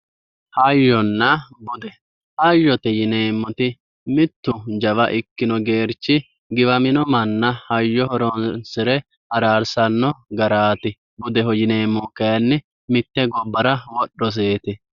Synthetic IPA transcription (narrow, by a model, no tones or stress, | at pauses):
hɐjːɔnːɐbʊd̪ɛ | hɐjːɔt̪ɛjɪneːmːɔt̪ɪ | mɪt̪ːʊd͡ʒɐβɐʔɪkːɪnɔɡe̞ːɾt͡ʃːɪ | ɡɪβɐmɪnɔmɐnːɐhɐjːɔhɔɾɔnsɪɾɛ | hɐɾaːɾsɐnːɔɡɐɾaːt̪ɪ | bʊd̪ɛɦɔjɪneːmːɔkːɐjɐnːɪ | mɪt̪ːɛɡɔbːɐɾɐwɔɗːɔs̬eːt̪ɪ